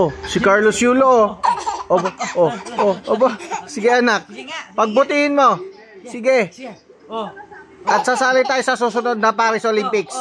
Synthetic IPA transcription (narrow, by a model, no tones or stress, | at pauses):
osɪkaɹlosjuːlooʔobaʔoʔoʔobasɪɡɛʔɐnak̚pɐɡ̚bʊt̪ihɪnmo̞ | sɪɡɛ | ʔɐt̪̚sasaːlɪt̪aːjosɐsusʊnod̪̚nɐpaːɾɪsɐʔolɪmpɪks